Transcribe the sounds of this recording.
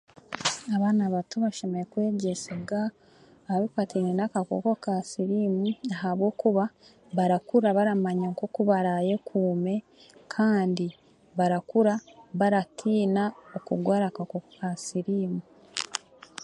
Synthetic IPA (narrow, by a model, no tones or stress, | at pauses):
aβaːnaβatuβaʃomeɾekwe̞ːɟesiɡaː | βaβifatinenakako̰ko̞kasiɾiːmuaɦaβɡo̞ːkuβa | βaɾakuɾaβaɾamaɲaŋkokuβaɾaje̞kʰuːme̞ | kʰaːndi | βaɾakuɾaβaɾatʰiːnaokuɡwaːɾakakokokasiɾiːmu